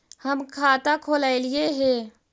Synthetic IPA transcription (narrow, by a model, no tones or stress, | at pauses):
həmkʰaːt̪akʰoːlaːelieɦɛː